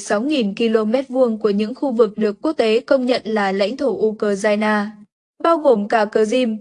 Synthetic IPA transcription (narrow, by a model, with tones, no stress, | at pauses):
sa˨˦wŋi˨˩nki˧lo˧mɛ˦˥t̚vu˧əŋku˧˩əɲɨ̰˧˥ŋxu˧vɨ˨˩k̚ɗɨ˨˩ək̚ːu˦˥ək̚t̪e˨˦kə˧wŋ͡mɲə̰˧˨nlaː˨˩la̰˧˥jŋ̟t̪ʰo˧˩ʔu˧kəː˧zaː˧jnaː˧ | ɓaː˧wɣo˨˩mkaː˧˩kəː˧˩zi˧m